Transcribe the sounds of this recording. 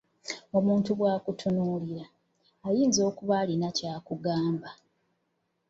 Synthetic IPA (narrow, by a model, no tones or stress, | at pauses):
o̞muːntuβwaːkutʰunuːliɾaː | jiːnzo̞ːkuβalinacaːkuɡaːmba